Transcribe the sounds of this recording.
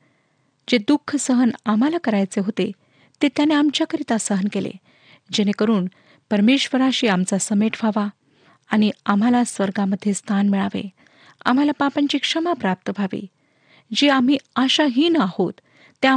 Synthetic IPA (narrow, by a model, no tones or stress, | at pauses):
d͡ʑed̪ukʰːəsəɦənam̤alakəɾajt͡seɦot̪e | t̪et̪janeamt͡ɕjakəɾit̪asəɦənkelḛ | d͡ʑenekəɾuːn | pəɾmeɕʋəɾaɕiːamt͡sasəmeʈʰʋ̤ʱaʋaː | ñiam̤alasʋəɾɡaməd̪ʱːjest̪ʰanmiɭaʋḛ | a̰m̤alapapãɲt͡ɕiːkʂəmapɾap̚t̪əbʱaʋḭ | d͡ʑeam̤iːaɕaɦiːnəahot̪ː | e